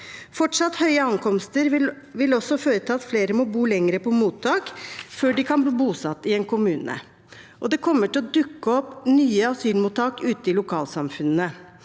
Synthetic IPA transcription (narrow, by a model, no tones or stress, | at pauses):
fɔʈʂɑt̪hœʏəɑŋkʰɔmst̪əɾ | ʋɪlɔsːɔføːɾət̪ʰɑːɑt̪fleːɾəmɔbuːlɛŋəɾəpʰɔmuːt̪ʰːɑːkføːɖɪkʰɑnbliːbuːsɑt̪ːɪɛnkʊmʉːnə̰ | ʔɔd̪ɛkʰɔmːəʈɪlɔd̪ʉkːəɔpnyːəɑsyːlmuːt̪ʰːɑːkʉːt̪əɪlʊkʰɑːlsɑmfʉnːə